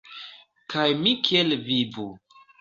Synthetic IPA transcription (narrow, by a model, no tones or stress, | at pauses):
kajmikʰielvibu